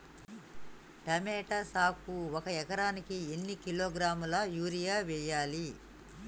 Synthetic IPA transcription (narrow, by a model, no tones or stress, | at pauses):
ʈɐmɛːʈɐsaːkuɔkɐɛkɐɾaːnikienːikiloːɡɾaːmulɐjuːɾijaːʋɛːjaːli